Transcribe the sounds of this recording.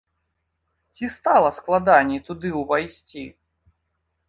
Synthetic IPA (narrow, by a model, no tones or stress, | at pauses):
t͡sʲist̪alˠɐsklˠad̪anʲit̪ud̪ɨwvajsʲt͡sʲḭ